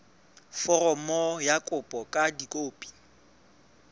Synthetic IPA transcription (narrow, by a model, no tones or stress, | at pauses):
fɔrɔmɔjakʼʊpʼɔkʼadikʼoːpʼi̥